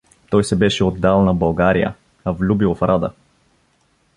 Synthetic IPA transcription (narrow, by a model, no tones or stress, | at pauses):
t̪ɔjsɛbɛʃɛod̪ːalˠnɐbɐlˠɡaɾijə̰ | ɐvlʲubifɾad̪ə̰